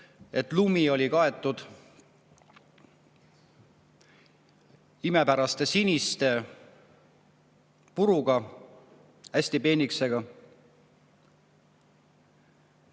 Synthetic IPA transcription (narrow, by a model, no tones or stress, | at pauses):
e̞t̪ˑlumio̞lʲikɑe̞t̪ːˑud̪̥ | ime̞pæɾɑst̪e̞sinist̪e̞ | puɾuɡ̥ɑ | æsʲt̪ipe̞ːnikse̞ɡɑ